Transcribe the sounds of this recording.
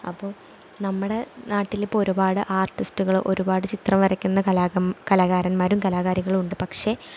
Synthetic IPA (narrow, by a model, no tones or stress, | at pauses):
ɐ̰pːo̞ː | nɐmːɨɽe̞naːʈːilipːo̞ɾubaːɽɨʔaːrʈːistuɣɐɭʔo̞̰ɾubaːɽɨt͡ɕit̪rɐmʋɐɾɐkʲːunːɐɐkɐlaːɣaːɾɐnmaːɾumkɐlaːɣaːɾiɣɐɭuɳɖɨpɐkʂe̞